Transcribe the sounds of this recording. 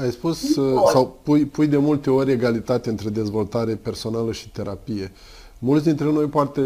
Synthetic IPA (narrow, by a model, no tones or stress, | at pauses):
ajspussawpujpujd̪e̞mult̪e̞o̞ɾʲe̞ɡalit̪at̪eɨnt̪ɾe̞d̪e̞zvo̞lt̪aɾe̞pe̞rso̞naləʃi̥t̪e̞ɾʔapije̞ | mult̪ʲd̪int̪ɾeno̞jpoart̪e